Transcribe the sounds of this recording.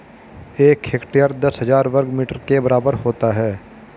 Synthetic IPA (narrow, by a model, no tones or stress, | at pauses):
eːkɦeːkʈijaɾd̪ɐsɦəzaːɾʋəɾɡmiːʈəɾkebɐɾaːbəɾhoːt̪aɦɛː